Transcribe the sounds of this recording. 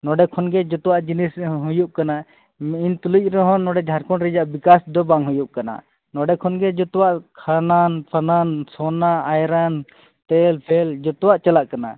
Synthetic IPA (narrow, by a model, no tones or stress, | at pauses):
nɔɖɛkʰɔnɡɛd͡ʒɔt̪ɔwaʔd͡ʒinisɦujuʔ̚kana | mint̪uluc̚ˀɾɛɦɔ̃nːɔɖɛd͡ʒʱaɾkɔnɾɛd͡ʒaʔbikasd̪ɔbaŋɦujuʔ̚kana̰ | nɔɖɛkʰɔnɡɛd͡ʒɔt̪ɔwaʔkʰananpʰanansɔnaajɾan | t̪ɛlpʰɛld͡ʒɔt̪ɔwaʔt͡ʃalaʔkana̰